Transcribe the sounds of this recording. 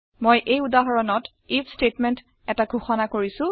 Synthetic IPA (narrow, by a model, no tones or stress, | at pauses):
mojʔejudaɦɔɹɔnɔt | ipʰstetmɛnt | ɛtaɡʱuxɔnakoɹisʊ̃